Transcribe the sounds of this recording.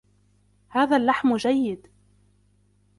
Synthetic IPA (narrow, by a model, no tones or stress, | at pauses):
haːðalːaħmd͡ʒajːɪd̪